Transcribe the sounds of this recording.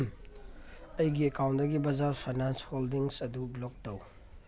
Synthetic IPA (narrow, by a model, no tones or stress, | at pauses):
ɐjɡiekawntdɐɡibɐzaɾpʰajnansholdiŋsɐdublok̚tɐw